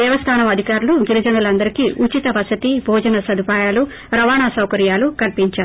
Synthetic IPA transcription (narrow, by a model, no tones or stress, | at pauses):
d̪ɛːʋɐst̪ʰaːnɐmɐd̪ʱikaːɾuluɡiɾid͡ʒɐnulɐnd̪ɐɾikiːʔut͡ʃit̪ɐʋɐsɐt̪ibʱɔːd͡ʒɐnɐsɐd̪ʱipaːjaːlu | ɾɐʋaːɳaːsɐwkɐɾjaːlukɐlpiɲt͡ʃaːɾu